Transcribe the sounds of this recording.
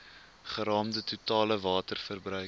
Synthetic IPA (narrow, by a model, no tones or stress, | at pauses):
χəɾɑːmdətutɑːləvɑːtərfərbrœ